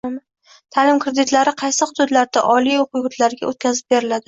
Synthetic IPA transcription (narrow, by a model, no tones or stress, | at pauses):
m | t̪ʰalɪmkɾed̪ɪt̪laɾɪqʰɑjsɪχʊd̪ʊd̪laɾd̪aʔɒlijoqʰʊjʁʊt̪laɾɪɡʲa̰ʔot̪̚kʲʰazɪp̚be̞ɾɪlad̪ɪ